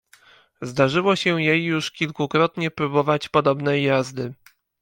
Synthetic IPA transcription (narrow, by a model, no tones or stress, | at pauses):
zd̪aʐɘwɔɕɛjejːuʂkʲilkukɾɔt̪ɲɛpɾubɔvat͡ɕpɔd̪ɔbnɛjːazd̪ɘ